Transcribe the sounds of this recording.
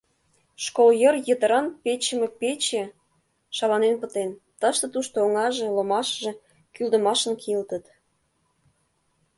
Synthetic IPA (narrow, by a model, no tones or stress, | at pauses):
ʃkoljərjət̪əɾɑnpet͡ɕəmepet͡ɕe | ʃɑlɑnenpə̆t̪ent̪əʃt̪ə̆t̪uʃt̪ooŋɑʒĕlə̆mɑʃəʒĕ | kyld̪ə̆mɑʃənkʰilt̪ət̪